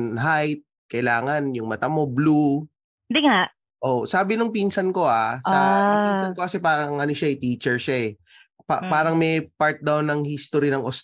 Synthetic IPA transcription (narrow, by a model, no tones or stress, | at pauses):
nɦajt̪̚ | kɐʔɪlaːŋɐnjʊŋmɐt̪amo̞blu | nd̪ɪŋaʔ | ʔoʔsaːbɪnʊŋpinsɐnko̞ʔaaiːnsɐnkokɐsɛpaːɾɐŋʔɐnoʃaɪt̪iːt͡ʃɛɹʃaɛ | papaːɾɐŋmɛjpaɹt̪̚d̪awnɐŋhist̪oɾinɐŋʔos